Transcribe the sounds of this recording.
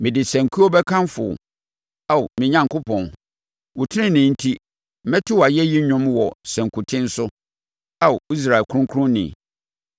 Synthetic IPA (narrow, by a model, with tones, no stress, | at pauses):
mɪ̃˨dɪ˨sæ̃˨ŋkʰu˦ɔ˦bɛ˦kʰã˦nfʊ̰˨ | a˨mɪ̃˨ɲã˨ŋkʊ˦pʰɔ̃˨n | wʊ˨tʰɪ˦nɪ̃˦nɪ̃˨n̩˦tʰi˦ | m̩˦mɛ̃˦tʰʊ˦wa˨jɛ˦ji˦ɲᶣʊ̃˦mwɔ˨sæ̃˨ŋkʰu˨tʰɪ̃˦n̩˦sʊ˦ | a˦wi˦s̬ɾa˨ɛ˨kʰʊ˦ʊ̃˦ŋkʰʊ˦ʊ̃˦nɪ̰̃˨